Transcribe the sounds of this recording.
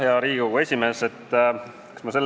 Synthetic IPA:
heɑɾiːɡuɡue̞sʲime̞se̞t̪ː | kkɑ̥smɑse̞lː

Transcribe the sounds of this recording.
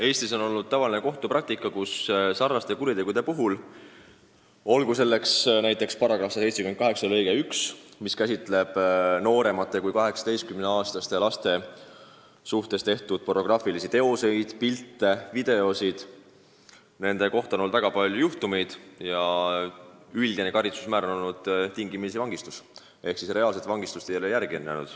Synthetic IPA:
e̞ːst̪iso̞no̞lːud̪̚t̪ɑvɑlineko̞ht̪uprɑk̚t̪ikːˑɑkussɑrnɑst̪e̞kuɾit̪e̞ɡud̪̥e̞puɦul | o̞lkuse̞lːe̞ksnæjt̪ːˑe̞kspɑrɾɑɡ̥rɑfsɑse̞jt̪sekymekɑɦe̞ksɑlɤjɡ̥eyksmiskæsʲit̪ˑle̞b̥no̞ːɾe̞mɑt̪ːˑe̞kujkɑɦe̞ksɑ̥t̪e̞jskymneɑːst̪ɑst̪e̞lɑst̪e̞ | suht̪e̞st̪e̞ht̪ud̪̥̚po̞ro̞ɡ̥rɑfilisit̪e̞ose̞jd̪̥pilt̪ːˑe̞vid̪̥e̞o̞sid̪̥ | ne̞nd̪e̞ko̞ht̪ɑono̞ld̪væɡ̥ɑpɑlʲjujuht̪umejd̪̥jɑ | ylʲɡ̥̪inekɑɾit̪su̥smæːɾonolnud̪̥t̪iŋɡimis̬evɑŋɡ̥ist̪us | e̞hksisre̞ɑːlse̞t̪vɑŋɡ̥ist̪ust̪ejelejæɾɡ̥ienːæ̰nṵd̪̥

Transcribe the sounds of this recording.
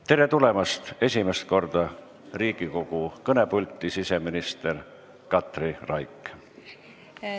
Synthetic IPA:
t̪e̞ɾe̞t̪ule̞mɑst̪e̞sʲime̞st̪̚ko̞rd̪̥ɑ | riːɡ̥iko̞ɡ̥ukɤne̞pulʲt̪ːˑisise̞minist̪er | kɑt̪rirɑjkˑ

